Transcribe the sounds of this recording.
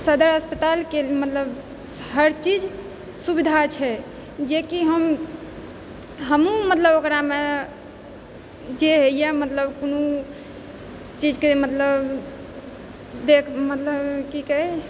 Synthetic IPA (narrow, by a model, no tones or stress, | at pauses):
səd̪əɾɦəspət̪alkelmət̪ləb | ɦəɾt͡ʃid͡ʒ | subid̪ʱat͡ʃʰɛ | d͡ʒekiɦəm | ɦəmumət̪ləbokɾame | d͡ʒeɦejamət̪ləbkonu | t͡ʃid͡ʒkemət̪ləb | d̪ekʰmət̪ləbkikəe